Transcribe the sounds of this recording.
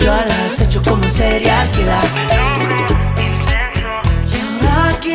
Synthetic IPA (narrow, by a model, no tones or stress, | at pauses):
walasɛt͡ʃɔkum̩sɛɾiakila | jaŋaki